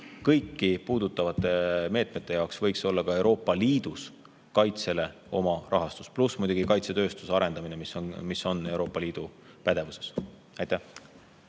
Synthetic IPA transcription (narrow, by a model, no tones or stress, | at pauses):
kɤjkːipuːd̪̥ut̪ːˑɑvɑt̪ːˑe̞me̞ːt̪ˑme̞t̪ˑːe̞jɑwksvɤjkso̞lːɑkɑe̞wɾo̞ːpːˑɑliːd̪̥us | kɑjt̪se̞le̞ | o̞mɑʔɑɦɑst̪u̥splusmujd̪̥uɡikɑjt̪se̞t̪ø̞ːst̪usɑɾe̞nd̪̥ɑminemismiso̞nːe̞wɾo̞ːpːˑɑliːd̪̥u | pæd̪̥e̞vuse̞̥s | ɑjt̪ːæh